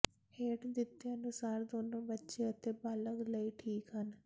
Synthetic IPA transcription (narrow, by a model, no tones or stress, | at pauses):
heːʈd̪ɪt̪ːeənʊsaːɾd̪oːnõːbətːʃeət̪eːbaːləɡləiːʈʰiːkɦən